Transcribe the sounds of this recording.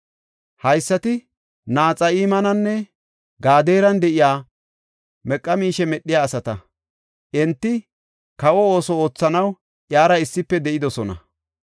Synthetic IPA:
hɐjsːɐt̪ɪ | naːt͡sʼɐiːmɐnɐnːɛ | ɡaːd̪eːɾɐnd̪ɛʔɪjaː | mɛkʼːɐmiːʃɛmɛɗːɪjaːsɐt̪ɐ | ʔɛnt̪ːɪ | kɐwɔo̞ːsɔo̞ːt͡sːɐnɐw | ʔjaːɾɐɪsːɪpːɛd̪ɛʔɪd̪ɔsɔnɐ̰

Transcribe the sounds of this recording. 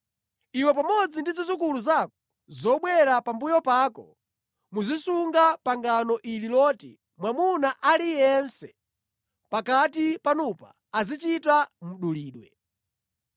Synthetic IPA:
iwɛpamɔd͡zindizizikuluzakɔ̥ | zɔɓwɛɾapambujɔpaːkɔ̰ | muzisuŋɡapaŋɡanɔʔililɔːtḭ | mwamunaʔalijɛnsɛ | pakatipanupaːzit͡ʃitamuɗuliːɗwɛ

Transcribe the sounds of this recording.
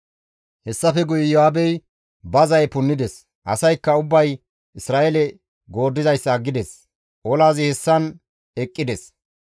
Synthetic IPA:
hɛsːɐfɛɡʊjɪjohaːbɛj | bɐzɐjpʊnːɪd̪ɛs | ʔɐsɐjkːɐʊbːɐj | ɪsɾaːʔɛlɛ | ɡo̞ːd̪ːɪzɐjsːɐːɡːɪd̪ɛs | ʔɔlaːzɪhɛsːɐn | ɛkʼːɪd̪ɛs

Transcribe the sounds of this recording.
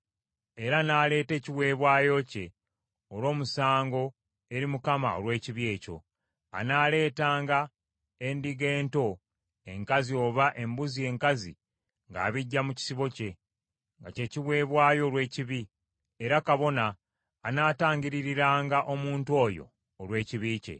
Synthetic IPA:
e̞ɾanaːle̞ːte̞ːciwe̞ːβwaːjo̞ce̞ | olo̞ːmusaːŋɡo̞ | e̞ɾimukama̰o̰lwe̞ːciβie̞ːco̞̰ | a̰naːle̞ːtaːŋɡa | endiɡe̞ːnto̞ | e̞ŋkazio̞ːβaʔe̞mbuzie̞ːŋkazi | ŋɡa̰ːβiɟːamuci̥siβo̞ce̞ | ŋɡace̞ːciwe̞ːβwaːjo̞ɾwe̞ːciβi | eɾakaβo̞naː | naːtaːɲɟiɾiɾiɾaːŋɡaʔo̞muːntwo̞jo̞̰ː | lwe̞ːciβiːce̞̰

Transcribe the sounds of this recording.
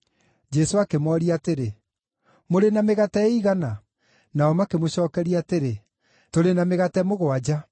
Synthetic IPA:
d͡ʒɛsoakemwɔɾiateɾe | moɾenameɣatɛiɣana | naɔmakemoɕɔːkɛɾiateɾe | toɾenameɣatɛmoɣɔad͡ʑa

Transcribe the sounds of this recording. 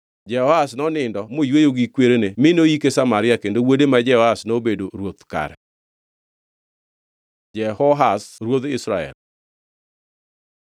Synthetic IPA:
d͡ʒɛhɔhasnɔnɪndɔmojwejoɡikweɾenemɪnoikesamaɾɪakendowodemad͡ʒɛhɔhasnobedoɾwot̪ka̰ɾɛ̰ | d͡ʒɛhɔɦasɾwod̪ɪsɾaɛ̰l

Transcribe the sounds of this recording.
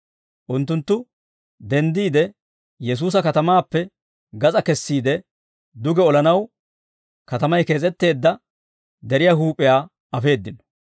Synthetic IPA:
ʔʊnt̪ːʊnt̪ːʊ | d̪ɛnd̪iːd̪ɛ | jɛs̬uːs̬ɐkɐt̪ɐmaːpːɛ | ɡɐt͡sʼɐkɛsːiːd̪ɛ | d̪ʊɡɛɔlɐnɐw | kɐt̪ɐmɐjke̞ːt͡sʼɛt̪ːe̞ːd̪ːɐ | d̪ɛɾɪjaːɦuːpʼɪjaː | ɐfe̞ːd̪ːɪnɔ̥

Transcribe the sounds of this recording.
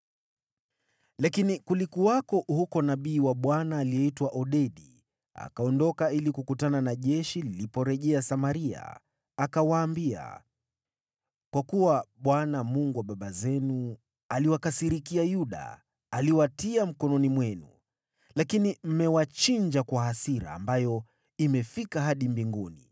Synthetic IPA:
lakinikulikuwakɔhukɔnaɓiːwaɓwanaːliɛitwaʔɔɗɛɗi | a̰kaɔndɔkailikukutananaʄɛʃililipɔɾɛʄɛasamaɾia̰ː | kawaːmbia̰ | kwakuwaɓwanamuŋɡuwaɓaɓazɛnu | aliwakasiɾikiajuɗa̰ː | liwatiam̩kɔnɔnimwɛnṵ | lakinim̩mɛwat͡ʃiɲd͡ʒakwaɦasiɾa̰ːmbajɔ | imɛfikaɦaɗimbiŋɡuni

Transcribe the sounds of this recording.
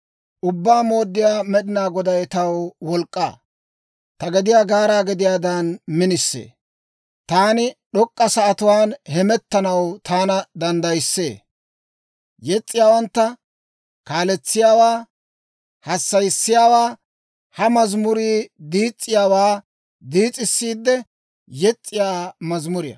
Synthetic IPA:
ʔʊbːaːmo̞ːd̪ːɪjaːmɛɗɪnaːɡɔd̪ɐjt̪ɐwwɔlkʼːaː | t̪ɐɡɛd̪ɪjaːɡaːɾaːɡɛd̪ɪjaːd̪anmɪnɪsːḛː | t̪aːnɪɗɔkʼːɐsɐɐt̪ʊwaːnhɛmɛt̪ːɐnɐwt̪ʰaːnɐd̪ɐnd̪ɐjsːḛː | jɛt͡sʼːɪjaːwɐnt̪ːɐ | kaːlɛt͡sːɪjaːwaː | hɐsːɐjsːɪjaːwaː | hɐmɐzmʊɾiːd̪iːt͡sʼːɪjaːwaː | d̪iːt͡sʼːɪsːiːd̪ːɛ | jɛt͡sʼːɪjaːmɐzmʊɾɪjɐ̰

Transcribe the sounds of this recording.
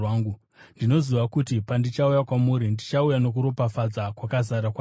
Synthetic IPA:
aːŋɡu | ndino̞ziʋakutipandit͡ʃaujakwamuːɾindit͡ʃaujano̞k̬uɾo̞pafad͡zakwakazaɾakwa

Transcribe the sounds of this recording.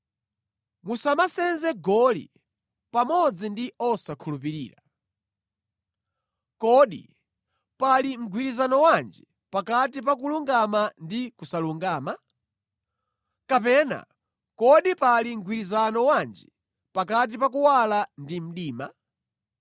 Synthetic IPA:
musamasɛnzɛɡɔlḭ | pamɔd͡zindiɔsakʰulup̬iɾiːɾa̰ | kɔɗḭ | palim̩ɡʱwiɾizanɔwand͡ʒi | pakatip̬ak̬uluŋɡamandikusaluŋɡaːma | kapɛna̰ | kɔɗipaliŋ̩ɡʱwiɾizanɔwand͡ʒi | pakat̬ipak̬uwalandim̩ɗiːma

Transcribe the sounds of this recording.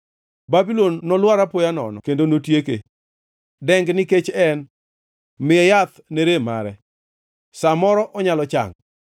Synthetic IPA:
babilonːɔlwaɾapojanɔ̰nɔ̰kendonotjekḛ | dɛŋɡnɪket͡ʃɛn | mɪɛjat̪neɾema̰ɾɛ | samɔɾɔʔɔɲalɔt͡ʃa̰ŋ

